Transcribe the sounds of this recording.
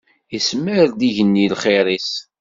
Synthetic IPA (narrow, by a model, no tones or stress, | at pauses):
əsməɾd̪iʝənːilχeɾis